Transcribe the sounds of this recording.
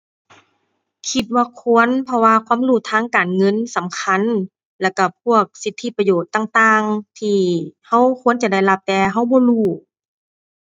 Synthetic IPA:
kʰi˧t̪̚waː˧kʰu˧˥ə˨npʰɔ˧waː˧kʰwaː˧˥˨mɾuː˧˩t̪ʰaː˧˥˨ŋkaː˨˩nŋɤ˧˥˨nsa˨˦mkʰa˧˥˨n | lɛ˧˩wka˧˩pʰu˧˩ək̚si˧˦t̪ʰːi˧˥pa˧joː˨˩t̪ːaː˧˨ŋt̪aː˧ŋt̪ʰiː˧ha˧˥˨wkʰu˧˥ə˨nt͡ɕa˧˨da˧˩˨jla˧p̚t̪ɛː˧ɦa˧˥˩wbɔː˧˦luː˧˩

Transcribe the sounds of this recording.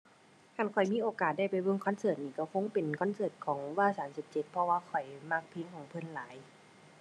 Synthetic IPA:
kʰa˧˩nkʰɔ˨˩jmiː˧˥˨ʔoː˨˩kaː˨˩t̪̚da˧˩jpa˨˩jbɤ˧˨ŋkʰɔ˧˥˨nsɤː˧˩t̪̚niː˧˩kɔ˧˩kʰo˧˥˨ŋpe˨nkʰɔ˧˥˨nsɤː˧˩t̪̚kʰɔː˩˦ŋwaː˧˨saː˨˦msi˧˩˦p̚t͡ɕe˧˦t̪̚pʰɔ˧waː˧˨kʰɔ˨˩jma˧˩k̚pʰi˧˥˨ŋkʰɔː˨˦ŋpʰɤ˧˥˨nlaː˨˩˦j

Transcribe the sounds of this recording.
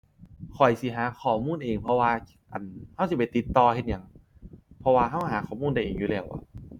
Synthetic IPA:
kʰɔ˨˩jsi˧˦ɦaː˨˦kʰɔː˨˩muː˧˥˨nʔeː˨˩ŋpʰɔ˧waː˧ | ʔa˨˩nha˧˥˩wsi˧˩pa˨˩t̪i˧˦t̪ːɔː˧he˧t̪̚ɲa˧˩˦ŋ | pʰɔ˧waː˧ɦa˥˩˨ɦaː˨˦xʰɔː˨˩muː˧˥˨nda˧˩jʔeː˨˩ŋjuː˧lɛː˧˩wʔa̰˧˩

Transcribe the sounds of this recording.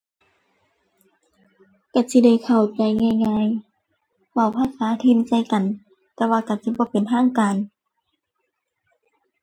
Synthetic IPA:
ka˧˩si˧˦da˧˩jkʰa˨˩wt͡ɕa˨˩jŋaː˧˨jŋaː˧˨j | wa˧˩wpʰaː˧˥˨saː˨˦t̪ʰi˧˨nsa˧˩jka˨n | t̪ɛː˧waː˧ka˨˩si˧˦bɔː˧˦pe˨nt̪ʰaː˧˥˨ŋkaː˨n

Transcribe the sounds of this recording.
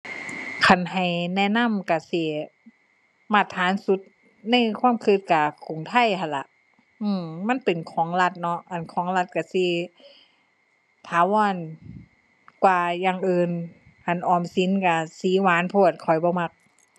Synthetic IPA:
kʰa˧˩nɦa˨˩jnɛ˧˥˨na˧˥˨mka˧˩si˧˩ | ma˧˩t̪ʰːaː˨˦nsu˧˦t̪̚ | na˧˥˨jkʰwa˧˥˨mkʰɯ˧˦t̪̚ka˧˩ku˨˩ŋt̪ʰa˧˥˨jhʰa˧˩nla̰˧˦ʔ | ʔɯː˧ma˧˥˨npe˨nkʰɔː˨˦ŋla˧t̪̚nɔ˧˥ʔa˨˩˨nkʰɔː˨˦ŋla˧t̪̚ka˧˩si˧˦ | t̪ʰaː˨˧˦wɔː˧˥˨n | kwaː˧ja˧ŋʔɯː˧n | kʰa˧˨˩nʔɔː˧˨˩msi˨˦nka˧˩siː˨˦waː˨˦˥npʰɔː˧˩˨t̪̚kʰɔ˨˩jbɔː˧˦ma˧˥k̚

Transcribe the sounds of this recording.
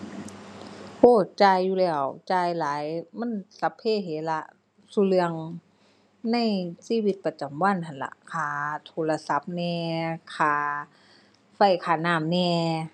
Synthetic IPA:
ʔoː˧˩t͡ɕaː˧jːuː˧lɛː˧˩wt͡ɕaː˧jlaː˨˦jma˧˥˨nsa˧˦pʰːeː˧˥˨ɦeː˨˦la˧ʔ | suː˧˦lɯ˧əŋ | na˧˥˨jsiː˧˥˨wi˧˥t̪̚pa˧t͡ɕa˨˩˦mwa˧˥˨nhʰa˧˩nla̰˧ʔkʰaː˧˦t̪ʰoː˧˦la˧sa˧˦p̚nɛː˧kʰaː˧˩˦ | fa˧˩jkʰaː˧˩naː˧˩˨mnɛː˧˩

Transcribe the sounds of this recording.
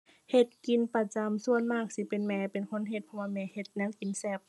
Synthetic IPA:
he˧t̪̚ki˨npa˧t͡ɕa˨msu˧˨ənmaː˧˥˩k̚si˧˦pe˨nmɛː˧˩pe˨nkʰo˧˥˨nɦe˧t̪̚pʰɔ˧waː˧mɛː˧˩he˧˩t̪̚nɛː˧˥˨wki˨nsɛ˧˩p̚

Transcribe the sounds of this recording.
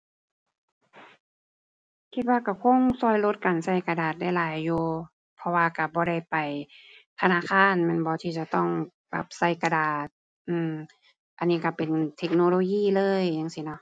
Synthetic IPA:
kʰi˧t̪̚waː˧ka˧˩kʰo˧˥˨ŋsɔː˧˩jlo˧˦t̪̚kaː˨˩nsa˧˩jka˧daː˨˩t̪̚da˧˩jlaː˨˦jːuː˧˦ | pʰɔ˧waː˧ka˧˩bɔː˧˦ɾa˧˥˩jpa˨˩jt̪ʰa˧naː˧˥˨kʰaː˧˥˨nmɛ˧˥˨nbɔː˧˦t̪ʰiː˧˩t͡ɕa˧˩t̪ɔ˧˥˩ŋ | ba̰˧˦˩p̚sa˧˩jka˧daː˨˩t̪̚ | ʔɯː˧˩m | ʔa˨nːiː˧ka˧˩pe˨nt̪ʰe˧˥k̚noː˧loː˧jiː˧˥˩lɤː˧˥˨jːaː˧˥˨ŋsi˧˦nɔ˧˦ʔ

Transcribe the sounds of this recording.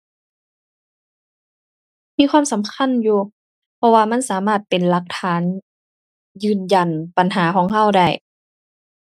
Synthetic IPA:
miː˧˥˨kʰwaː˧˥˨msa˨˦mkʰa˧˥˨njuː˧ | pʰɔ˧waː˧ma˧˥˨nsaː˨˦maː˧˥˩t̪̚pe˨nla˧k̚t̪ʰaː˨˦n | jɯː˧˩nja˨˩npa˨nɦaː˩˦kʰɔː˨˩˦ŋɦa˧˥˩wda˧˥˩j

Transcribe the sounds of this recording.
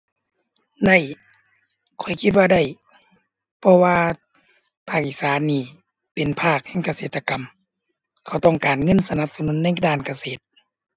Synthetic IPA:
da˧˩j | kʰɔ˨˩˦jkʰi˧t̪̚waː˧da˧˩j | pʰɔ˧waː˧ | pʰaː˧˩k̚ʔi˧˩˨saː˨˦nːiː˧˩ | pe˨npʰaː˧˥˩k̚hɛː˧˩ŋka˧seː˨˦t̪ʰːa˧ka˨m | kʰa˧˩wt̪ɔ˧˩ŋkaː˨˩nŋɤ˧˥˨nsa˧na˧p̚sa˧nu˨˦nːa˧˥˨jdaː˧˩˨nka˧seː˨˩˦t̪̚

